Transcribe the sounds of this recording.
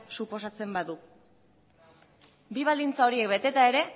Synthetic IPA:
supo̞sat͡se̞mbaðu | biβ̞ald̪int͡sao̞ɾie̞k̚be̞t̪e̞t̪ae̞ɾe̞

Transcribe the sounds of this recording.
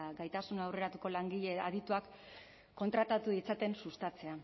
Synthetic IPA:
ɡajt̪asunaawre̞ɾat̪uko̞laŋɡiʎeað̞it̪uakː | o̞nt̪ɾat̪at̪uðit͡sat̪e̞nsust̪at͡se̞a

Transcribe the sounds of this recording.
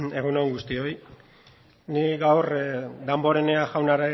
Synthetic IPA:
e̞ɣ̞unoŋɡust̪io̞j | niɡawrd̪ambo̞ɾe̞ne̞aʝawnaɾa

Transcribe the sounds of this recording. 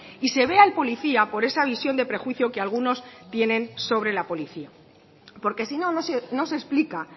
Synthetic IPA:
ise̞β̞e̞alpo̞liθiapo̞ɾe̞saβ̞isjo̞nd̪e̞pɾe̞xwiθjo̞kealɣuno̞st̪je̞nẽ̞nso̞β̞ɾe̞lapo̞liθia | po̞ɾke̞sino̞nosno̞sesplika

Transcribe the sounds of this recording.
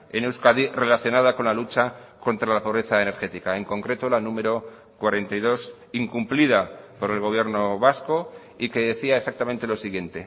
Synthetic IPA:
enewskaðire̞laθjonað̞ako̞nlalut͡ʃako̞nt̪ɾalapo̞β̞ɾe̞θaene̞ɾxe̞t̪ikae̞ŋko̞ŋkɾe̞t̪o̞lanũme̞ɾo̞ | kwaɾe̞nt̪ajð̞o̞s | iŋkumplið̞apo̞ɾe̞lɣ̞o̞β̞je̞ɾno̞βasko̞ | ike̞ðe̞θiaesak̚t̪amẽnt̪e̞lo̞siɣ̞je̞nt̪e̞

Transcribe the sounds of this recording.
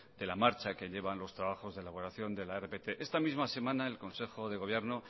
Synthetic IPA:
d̪̥e̞lamaɾt͡ʃake̞ʎe̞βanlo̞st̪ɾaβaxo̞zðelaβo̞ɾaθjo̞nd̪e̞laerepet̪eʔe̞st̪amizmase̞mãnae̞lko̞nse̞xo̞ðe̞ɣ̞o̞β̞je̞ɾno̞

